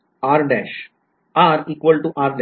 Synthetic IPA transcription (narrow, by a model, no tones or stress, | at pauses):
aːɾlɛʃ | aɾiːkʋəlʈuʔaɾl